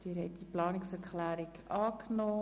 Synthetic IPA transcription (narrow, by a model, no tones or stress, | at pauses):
d̥iːɾhɛɪt̚d̥iplɑːnɪksɛɾklæːɾɪkɑːknoː